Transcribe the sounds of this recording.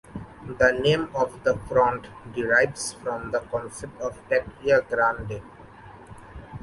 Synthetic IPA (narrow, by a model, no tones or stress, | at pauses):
d̪ənẽːmɔʋd̪əfɾɔ̃ɳʈɖɪɾaɪʋsfɾɔ̃md̪əkɔ̃nsep̚ʈɔʋpɛʈiəɡɾãnɖe